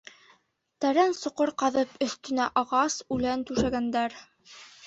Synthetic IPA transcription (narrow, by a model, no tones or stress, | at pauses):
t̪æɾænsŏqoɾqɑðɤpɵ̆θt̪ɵ̆næʔɑʁɑsʉlænt̪ʉʃæɡænd̪æɾ